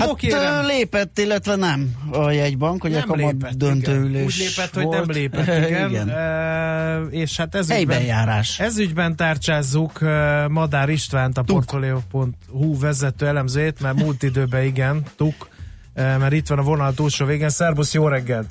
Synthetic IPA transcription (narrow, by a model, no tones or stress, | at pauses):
haokeleːpɛt̪ːilːɛt̪ʋɛnɛmɒjɛɟbɒŋkhoɟɛɒlɔd̪ønt̪øːyleːuːɟleːpɛt̪ho̞ɟnɛmleːpɛt̪ːiɡɛnɡɛnø | eːʃhat̪ɛzyɛjbɛjaːɾaːʃɛzyɟbɛnt̪aːrt͡ʃaːzːukømɒd̪aːɾiʃt̪ʋaːnt̪ɒport̪folɛopo̞nt̪huvɛzɛt̪øːɛlɛmzøːjeːt̪mɛrmult̪id̪øːbɛiɡɛnt̪uk | ømɛɾit̪ʋɒnɒvo̞nɒlt̪uːʃoːveːɡeːnsɛrbusjoːɾɛɡːɛlt̪